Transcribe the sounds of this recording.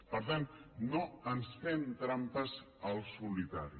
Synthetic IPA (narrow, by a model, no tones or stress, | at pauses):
pəɾt̪annoənsfent̪ɾampəz | əlˠsulit̪aɾi